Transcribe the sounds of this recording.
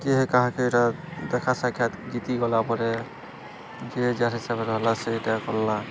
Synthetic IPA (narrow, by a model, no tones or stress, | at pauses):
kiɦɛkaɦãkeetad̪ɛkʰasakʰjat̪ɡit̪iɡɔlapɔɾɛ | d͡ʒid͡ʒaɾɦisabɛɾɔɦlasetakɔlːa